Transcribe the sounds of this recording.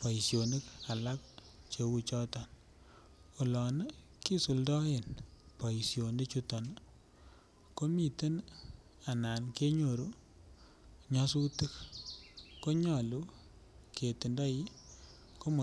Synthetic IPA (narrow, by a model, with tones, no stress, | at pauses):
pɔ˨i˨sjo˨ni˦ka˨la˦k̚ | t͡ʃe˨wu˦t͡ʃɔ˦tɔ˨n | o˨lɔ˨nə˦ | ki˦su˨ldɔ˦e˨npɔ˨i˨sjo˨ndi˦t͡ʃu˦tɔ˨n | ko˦mi˨te˦n | a˨na˨nke˦ɲo˨ɾu˦ | ɲa˦su˦tɨ˦k | ko˦ɲɔ˨lu˦ | kʰe˨ti˨ndɔ˦i˦ | ko˦m˨